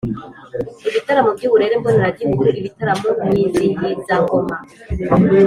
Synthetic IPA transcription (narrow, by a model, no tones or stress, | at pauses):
iβitaɾamobɟiβuɾe̞ɾebɡoniɾaɟikuɾuʔiβitaɾamoɲinziɲizaŋoma